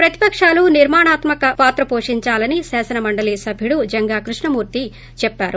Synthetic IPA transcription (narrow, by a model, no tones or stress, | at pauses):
pɾɐt̪i̥pɐkʂaːluniɾmaːɳaːt̪mɐkɐpaːt̪ɾɐpoːʂiɲt͡ʃaːlɐnisɛːsɐnɐmɐɳɖɐliːsɐbʱjiɽud͡ʒɐŋɡaːkɾuʂɳɐmuːɾt̪i | t͡ʃɛpːaːɾu